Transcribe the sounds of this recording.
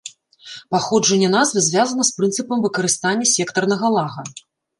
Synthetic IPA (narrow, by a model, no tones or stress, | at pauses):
paxɔd͡ʐɐnʲːɛnazvɨzʲvʲazɐnɐspɾɨnsɨpɐmvɨkɐɾɨst̪anʲːɐsʲɛkt̪ɐrnɐɣɐlˠaɣɐ